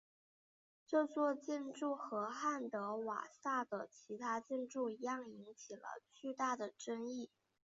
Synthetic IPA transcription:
t͡ɕjo˥˧ʊt͡swɔ˥˧t͡ɕɛ˥˧nʈ͡ʂu˥˩xɤ˧˥xa˥˩nt̪ɤ˧˥wa̰˨˩sa˥˩d̪ə˩t͡ɕʰi˧˥t̪ʰa˥t͡ɕjɛ˥˧nʈ͡ʂu˥˩i˧˥jɑ˥˩ŋi˧˥ŋt͡ɕʰi˨˩lə̰˧˦t͡ɕy˥˧t̪a˥˩d̪ə˩ʈ͡ʂə˥ŋi˥˩

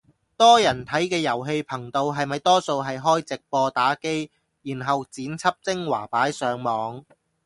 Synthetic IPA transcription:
t̪ɔː˥jɐ˨˩nt̪ʰɐ˨˥jkɛː˧jɐ˨˩wɦe˧jpʰɐ˨˩ŋt̪o˧wɦɐ˨jmɐ˨jt̪ɔː˥so˧wɦɐ˨jɦɔː˥jt͡sɪ˨k̚pɔː˧t̪aː˨˥ke˥j | jiː˨˩nɦɐ˨wt͡siː˨˥nt͡sʰɐ˥p̚t͡sɪ˥ŋwa̰ː˨˩paː˨˥jsœː˨˧ŋmɔː˨˧ŋ

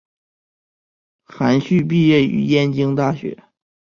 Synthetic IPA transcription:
xa˧˥nɕy˥˧p̬i˥˧jɛ˥˩y̰˧˥jɛ˥nt͡ɕi˥ŋt̪a˥˩ɕɥɛ̰˧˥

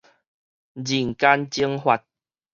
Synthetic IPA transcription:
d͡ʑi˨˩ŋka˦nt͡ɕi˦əŋɦwa˧t̚

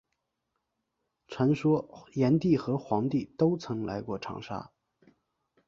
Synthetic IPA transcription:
ʈ͡ʂʰwa˧˥nʂwɔ˥jɛ˧˥nt̪i˥˩xɤ˧˥xwɑ˧˥ŋt̪i˥˩t̪o˥ʊt͡sʰɤ˧˥ŋla̰˧˥ɪkwɔ̰˥˩ʈ͡ʂʰɑ̰˧˥ŋʂa̰˥

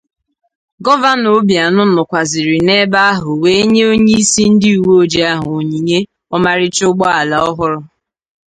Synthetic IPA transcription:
ɡɔ˦va˦no˦bja˨nʊ˦nʊ˨kʷa˨zɪ˨ɾɪ˨ne˦ba˦a˦ɦʊ˨we˦e˦ɲe˦o˦ɲe˦i˦si˦n̩˦dɪ˦u˨wo˦d͡ʒe˦a˦ɦʊ˨ɲi˨ɲe˦ | ɔ˦ma˦ɾɪ˦t͡ʃʊ˦ɡ͡bɔ˦a˨la˨ɔ˦ɦʊ˦ɾʊ˦

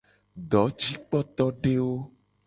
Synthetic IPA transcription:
ɖ̪ɔ˨˦t͡ʃi˦k͡pɔ˦t̪ɔ˦ɖe˦wo˦

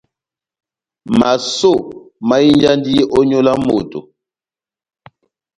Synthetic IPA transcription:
ma˨so˦˨ma˦i˦nd͡ʒa˦ndi˦ʔɔ˦ɲo˦la˦mo̰˨to̰˨

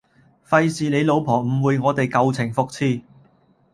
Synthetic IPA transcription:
fɐ˧jsiː˨le˨˧jlo˨˧wpʰɔː˨˩m̩˨˩wuː˨˧jŋɔː˨˧t̪e˨jkɐ˧wt͡sʰɪ˨˩ŋfʊ˨˧k̚t͡sʰiː˥

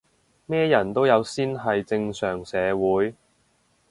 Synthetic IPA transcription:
mɛː˥jɐ˨˩nt̪o˥wjɐ˨˧wsiː˥nɦɐ˨jt͡sɪ˧ŋsœː˨˩ŋsɛː˨˧wuː˨˥j

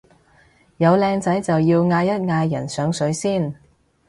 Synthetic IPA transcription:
jɐ˨˧wlɛː˧ŋt͡sɐ˨˥jt͡sɐ˨wjiː˧wŋaː˧jɐ˥t̚ŋaː˧jːɐ̰˨˩nsœː˨˥ŋsɵ˨˥ɥsiː˥˩n

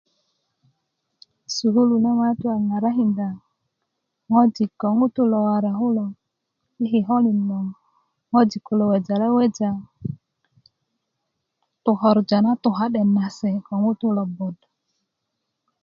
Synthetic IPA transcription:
su˨ɦu˦lu˨na˦ma˦tu˦a˨ŋa˨ɾa˦ɦi˨nda˨ | ŋɔ˦d͡ʒi˨kɔ˨ŋu˦tu˦lɔ˨wa˨ɾa˨ɦu˦lɔ˨ | i˦ɦi˨ɦɔ˦li˨nɔ˨ŋ | ŋɔ˦d͡ʒi˨ku˨lɔ˨wɛ˨d͡ʒa˨lɛ˦wɛ˦d͡ʒa˨ | tʊ˨ɦɔ˨ɾd͡ʒa˨na˦tu˨ɦa˨ɗɛ˨na˨sɛ˨kɔ˨ŋu˦tu˦lɔ˨bɔ˨d

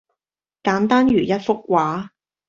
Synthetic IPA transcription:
kaː˨˥nt̪aː˥nɥyː˨˩jɐ˦˥t̚fʊ˥k̚waː˨˥

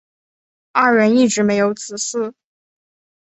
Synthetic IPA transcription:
a˥˩ɻə˧˥ni˥˩ʈ͡ʂɻ̩˧˥me˧˥ɪjo˧˥ʊt͡sʰɹ̩˨˩sɹ̩˥˩

